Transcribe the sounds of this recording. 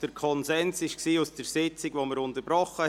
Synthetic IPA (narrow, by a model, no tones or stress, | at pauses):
d̥əɾkʰɔnsɛnsɪʃksiːusd̥əɾsɪt͡sɪɡʋoməɾʊntəɾbɾɔχə